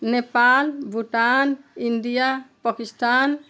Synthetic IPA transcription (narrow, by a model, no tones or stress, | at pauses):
nepalbuʈanindijapakist̪an